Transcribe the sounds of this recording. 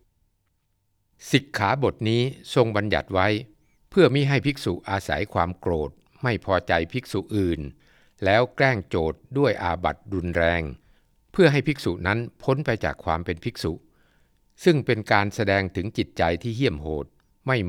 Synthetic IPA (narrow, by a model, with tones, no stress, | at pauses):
si˨˩kʰːaː˩˦bo˨˩t̪̚niː˦˥so˧ŋba˧nja̰˨˩t̪̚wa˦˥j | pʰɯ˥˩əmiː˥˩ɦa˥˩jpʰi˦˥k̚su˨˩ʔʔaː˧sa̰˩˦jkʰwaː˧mkɾoː˨˩t̪̚ | ma˥˩jpʰɔː˧t͡ɕa˧jpʰi˦˥k̚su˨˩ʔɯː˨˩n | lɛː˦˥wklɛː˥˩ŋt͡ɕoː˨˩t̪̚du˥˩əjʔaː˧ba̰˨˩t̪̚ɾu˧nɾɛː˧ŋ | pʰɯ˥˩ɐɦa˥˩jpʰi˦˥k̚su˨˩ʔna˦˥npʰo˦˥npa˧jt͡ɕa̰ː˨˩kʰwaː˧mpe˧npʰi˦˥k̚su˨˩ʔ | sɯ˥˩ŋpe˧nkaː˧nsa˧dɛː˧ŋt̪ʰɯ˩˦ŋt͡ɕi˨˩t̪̚t͡ɕa˧jt̪ʰiː˥˩ɦi˥˩əmɦoː˨˩t̪̚ | ma˥˩j